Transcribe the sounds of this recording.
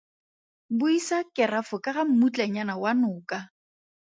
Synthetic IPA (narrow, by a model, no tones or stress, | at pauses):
bʊisakʼɪrafʊkʼaɣam̩mut͡ɬʼaɲanawanʊːka